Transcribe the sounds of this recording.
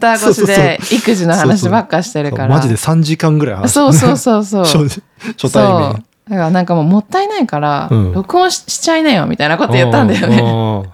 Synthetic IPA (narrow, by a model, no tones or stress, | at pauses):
t̪ːaɡoɕid̪eikɯ̟ʑino̞hanaɕ̬ibakːaɕi̥t̪e̞ɾɯ̟kaɾmad͡ʑid̪esãɲ̟d͡ʑikãŋɡɯɾajha̰nso̞ːso̞ːso̞ːso̞ːo | ɕost̪aoː | d̪akaɾanãŋkamo̞ːmo̞t̪ːainaikaɾa̰jo̞kɯ̟õɕi̥t͡ɕainaijo̰mʲḭt̪ainako̞t̪ojɯt̪ːãnd̪ajo̞ne